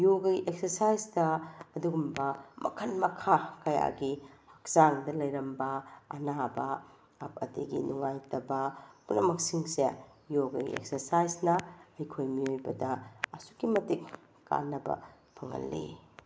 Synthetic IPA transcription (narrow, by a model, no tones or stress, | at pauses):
joɡɐiʔek̚sɐɾsajsdɐɐduɡumbɐmɐ̰kʰɐnmɐkʰakɐja̰ɡihɐk̚z̥aŋdɐlɐjɾɐmbɐɐnabɐ | ɐp̚ɐ̰tiɡḭnuŋajtɐbɐpunːɐmɐksiŋse | joɡɐjɡḭḛk̚sɐɾsajznɐɐjkʰojmiojbɐdɐɐsu̥kimɐtik̚ | kːa̰nːɐbɐ̰ | pʰɐŋɦɐ̰lːḭ